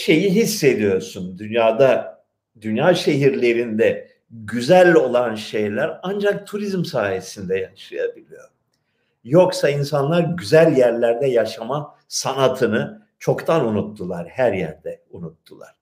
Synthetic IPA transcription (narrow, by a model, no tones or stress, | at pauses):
ʃe̞jiɦisːe̞d̪ijo̞ɾsund̪ynjaːd̪a | d̪ynjaːʃe̞ɦiɾlʲe̞ɾind̪ɛ | ɟyzælʲo̞lˠanʃe̞jlʲæɾand͡ʒak̚t̪ʰuɾizmsaːjesind̪ɛjaʃa̰jabilʲijo̞ɾ | joksainsanlˠaɾɟyzælʲjæɾlʲæɾd̪ɛjaʃama | sanat̪ʰɯnɯ | t͡ʃʰo̞kt̪ʰanunut̪ːulˠaɾ̥hæɾjæ̰ɾd̪ɛunut̪ːulˠa̰ɾ̥